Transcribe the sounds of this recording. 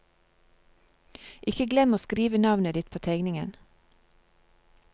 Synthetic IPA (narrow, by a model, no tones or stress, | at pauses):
ʔɪkəɡlɛmoːskɾiːʋənɑʋnəd̪ɪt̪̚pʰoːt̪ʰæɪɡnɪŋən